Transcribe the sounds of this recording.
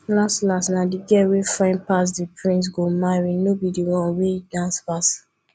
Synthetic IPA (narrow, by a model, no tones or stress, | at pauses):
lastlasnadiɡɛwefãɪ̃npas̬dipɹĩns̬ɡomaɹinobidiwɔ̃nwedãnspas